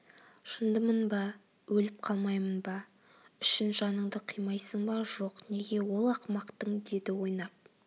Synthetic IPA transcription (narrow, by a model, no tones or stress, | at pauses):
ʃənd̪əmənbɑ | wɵlɪp̚qʰɑlˠmɑjmənbɑ | ʏʃɪnʒɑnəɴd̪əqʰəjmɑjsəɴbɑʒo̞qne̞ɡʲe̞wo̞lˠɑqmɑqt̪əɴd̪e̞d̪ɪwo̞jnɑp̚